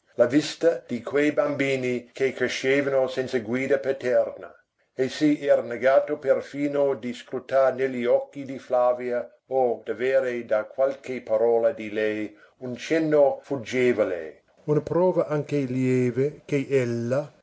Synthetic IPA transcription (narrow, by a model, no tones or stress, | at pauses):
lavist̪ɐd̪̥ikʰwejbambiːnikekɾeʃeːvanosɛnt̪saɡwiːd̪apet̪ɛrna̰ | esiɛːɾaneɡaːt̪operfiːnod̪iskɾut̪arnelːiɔkːid̪iflaːvja | od̪̥aveːɾed̪akwalkepaɾɔːlad̪ilɛj | unt͡ʃɛnːofud͡ʒeːvolḛ | unɐpɾɔːvɐʔaŋkeljeːvekeʔelːa